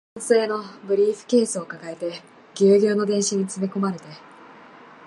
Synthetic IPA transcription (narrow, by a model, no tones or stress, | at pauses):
ɰse̞ːno̞bɯ̟ɾʲiːɸɯ̟̥ke̞ːsɨokakae̞t̪e̞ | ɡʲɨːɡʲo̞ːno̞d̪eɰ̃ɕiɲ̟it͡sɨme̞ko̞maɾe̞t̪e̞